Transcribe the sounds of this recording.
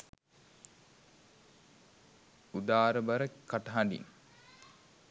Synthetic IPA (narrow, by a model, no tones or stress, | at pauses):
ud̪aːɾəbɐɾəkaʈɐɦaɳɖḭn